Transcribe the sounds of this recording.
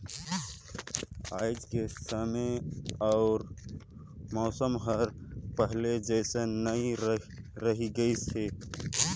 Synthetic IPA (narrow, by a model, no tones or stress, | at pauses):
aːɪd͡ʒkesaːmeɔʊɾ | mɔːsəmɦəɾpəɦled͡ʒɛːsenəiɾ | ɾəɦiɡəise